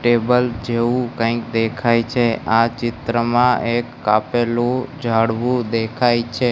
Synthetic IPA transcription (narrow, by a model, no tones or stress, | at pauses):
ʈebəld͡ʒeʋũkə̃ɪkd̪ekʰajt͡ʃʰeat͡ʃɪt̪ɾəmãekːapelud͡ʒʱaɽʋũd̪ekʰajt͡ʃʰe